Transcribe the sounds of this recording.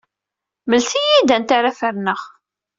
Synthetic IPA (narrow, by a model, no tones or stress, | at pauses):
məlsijid̪ænt̪aɾafəɾnəʁ